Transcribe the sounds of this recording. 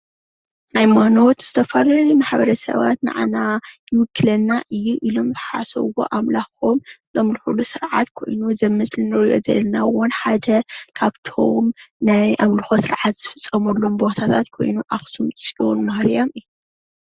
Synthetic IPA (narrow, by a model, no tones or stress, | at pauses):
ʔajmano̞t̪z̥ɨt̪ʰɐfɐlajumaħbɐɾɐsɐ̰βa̰t̪na̰ʕanajɪmɨkʰːɨlɐnːaʔɨjːuʔilo̞mzɨħasɐ̰wo̰ʔamlaxomzɐmlɨħulusɨɾʕa̰t̪kʰo̞̰jnuzɐmɨslɨnɨɾijo̰zɐ̰lɐnawonħad̪ɐkʰaβt̪ʰo̰mnajʔamlɨxosɨɾʕat̪z̥ɨfɨt͡sʼːɐmɐlːombo̞t̪ʰat̪ʰat̪kʰo̞̰jnuʔaxsumʼsʼionmɐhɾijomɨjːu